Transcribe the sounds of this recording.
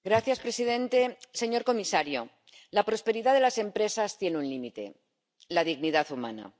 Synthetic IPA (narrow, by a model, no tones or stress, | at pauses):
ɡɾaθjaspɾe̞siðẽ̞nt̪e̞se̞ɲo̞ɾko̞misaɾjo̞ | lapɾo̞spe̞ɾiðaðe̞lase̞mpɾe̞sast̪je̞neunlimit̪e̞̰ | laðiɣniðaθuma̰na̰